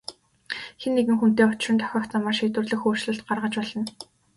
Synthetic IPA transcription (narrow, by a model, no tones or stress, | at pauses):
xenːeɣɘ̆ŋxun̥t̪eːʊt͡ɕ̆rɪ̆nt̪ʰɔ̥xʲɔːkt͡samːaːʃeːt̪wɘ̆rɮɘ̆xoːrʃɮɘ̆ɬt̪ɢarʁə̆t͡ɕpɔɮɞ̆n